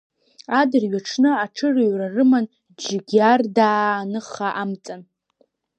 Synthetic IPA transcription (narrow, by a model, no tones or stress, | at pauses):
adɨrɥaʈ͡ʂʰnɨaʈ͡ʂʰɨraɥrarɨman | d͡ʒɪɡʲardaːnɨχaʔamt͡sʼan